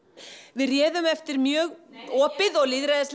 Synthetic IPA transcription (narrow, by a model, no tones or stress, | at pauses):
vɪðrjɛːðʏmɛft̪ɪɾmjœːɣɔːpɪðɔɣliːðɾaðɛsl